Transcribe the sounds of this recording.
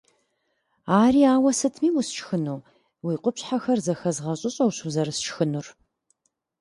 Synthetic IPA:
aːriːaːwɐsɨtʰmiːwʊst͡ʃʰʼxɨnuː | wiːqʷʼʊpɕħaxɐrzɐxɐzʁɐɕʼɪɕʼɐwɕuzɐɾɨst͡ʃxɨnur

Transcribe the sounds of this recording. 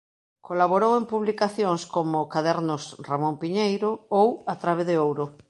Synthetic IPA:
kolaβoɾowempuβlikaθjoŋskomʊkaðɛɾnʊsramõmpiɲejɾʊowat̪ɾaβeðɪowɾʊ

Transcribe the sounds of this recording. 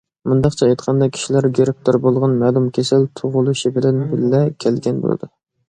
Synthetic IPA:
mund̪ɑqt͡ʃʰɛɛjt̪qʰɑnd̪ɑkʲʰi̥ʃilæɾɡeɾɪp̚t̪ʰoɾbolˠʁɑnmɛlˠumkʲʰesɪlt̪ʰoʁʊlˠuʃibɪlɛnbɪlːɛkʲʰɛlɡʲɛnbo̰lˠɨ̰d̪ṵ

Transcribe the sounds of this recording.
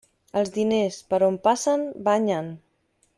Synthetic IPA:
əlˠzðinespəɾompasəmbaɲən

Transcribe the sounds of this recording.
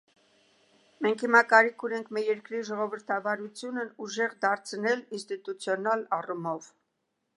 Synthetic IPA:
mɛŋkʰhimɑkɑɾikʰunɛŋkʰmɛɾjɛɾkɾiʒɔʁɔvəɾt̪ʰɑvɑɾut͡sʰjunəuʒɛʁd̪ɑɾt͡sʰnɛlinst̪it̪ut͡sʰjɔnɑlɑrumɔv

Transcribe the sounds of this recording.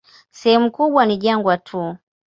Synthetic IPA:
sɛhɛmukuɓwaniʄaŋɡwatʰu

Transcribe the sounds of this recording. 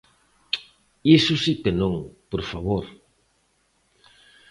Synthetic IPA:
isʊsipenõŋpoɾfaβoɾ

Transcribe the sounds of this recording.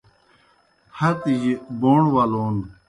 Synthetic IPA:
hɐt̪id͡ʑiboːɳwaloːn

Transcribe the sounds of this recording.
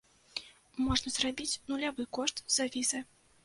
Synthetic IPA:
mɔʐnɐzrabʲit͡sʲnulʲavɨkɔʂt̪z̥avʲizɐ

